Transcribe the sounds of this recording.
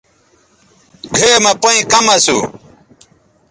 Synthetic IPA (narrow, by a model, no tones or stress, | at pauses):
ɡʱeːmɐpoĩkɐmɐsṵ